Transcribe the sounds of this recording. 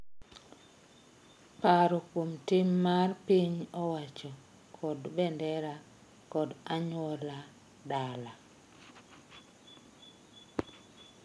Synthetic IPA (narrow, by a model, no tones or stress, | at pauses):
paɾɔkwomtimːarpiɲɔwat͡ʃɔ | kʰɔdbɛndɛɾa | kɔdaɲwɔla | dala